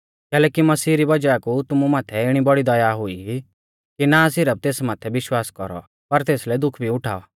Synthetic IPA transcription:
kɛːlɛːkimɐsiːɾibɐd͡ʒaakut̪ʊmumaːt̪ʰɛɪɽ̃ibɔɽid̪ɐjaɦʊiɦi | kinasɪɾəb̚t̪eːsmaːt̪ʰɛʋɪʃwaːskɔ̰ɾɔ̰ | pɐɾt̪eːslɛd̪ʊkʰbʱiʊʈʰa̰ːɔ̰

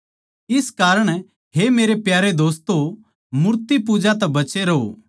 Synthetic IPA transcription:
ɪskaːɾəɽ̃ | ɦemeːɾepjaːɾed̪oːst̪o | mʊɾt̪ipud͡ʒat̪ɛbɐt͡ʃeɾɐɦo̰

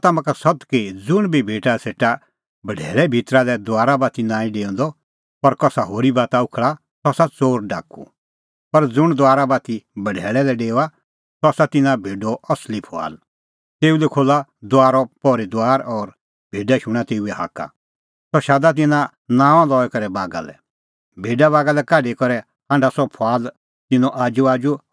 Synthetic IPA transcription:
t̪amãkasɐt̪kɪd͡zʊɽ̃bʱibʱeːʈaseːʈa | bɐɖʱɛːɭɛbʱit̪ɾalɛd̪ʊaːɾabat̪inãːĩɖeːɔ̃nd̪ɔ | pɐɾkɔsaɦoːɾibaːt̪aʊkʰɭa | sɔsat͡soːɾɖa̰ːkṵ | pɐɾd͡zʊɽ̃d̪ʊaːɾabat̪ibɐɖʱɛːɭɛlɛɖeːa | sɔasat̪ɪnãbʱeːɖɔɐslipʰa̰ːl | t̪eːulɛkʰoːlad̪ʊaːɾɔpɔːɾid̪ʊaːɾɔːɾ | bʱeːɖaʃʊ̃ɽ̃at̪eːuɛɦa̰ːka̰ | sɔʃaːd̪at̪̬ɪnã | nãːʋãlɔːɛkɔɾɛbaːɡa̰lɛ̰ | bʱeːɖaβaːɡalɛkaːɖekɔɾɛ | hãːɳɖasɔpʰaːl | t̪ɪnɔ̃ʔaːd͡ʒuaːd͡ʒu

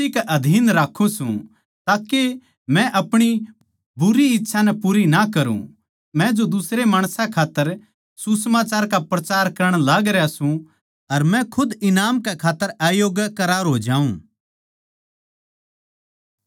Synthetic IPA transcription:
ikɛʔɐd̪ʱiːnɾaːkʰːũsṵ̃ | t̪aːke | mɛ̃ʔɐpɽ̃i | bʊɾiɪtːʃʰanɛpuːɾinakɐɾṵ̃ | mɛ̃d͡ʒod̪ʊsɾemaːɽ̃sãkʰaːt̪ːəɾ | susəmaːt͡ʃaːɾkapɾɐt͡ʃaːɾkɐɾəɽ̃laːɡɾjasũ | ɐɾmɛ̃kʰʊd̪ɪnaːmkɛkʰaːt̪ːəɾaːjoːɡkɐɾaːɾɦoːd͡ʒãːũː

